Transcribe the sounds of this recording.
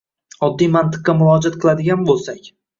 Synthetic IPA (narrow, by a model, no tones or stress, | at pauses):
ɒd̪ːijmant̪ɨ̥qːɑmʊlˠɒd͡ʒat̪qʰɨlˠad̪ɪɡʲanbolˠsakʲ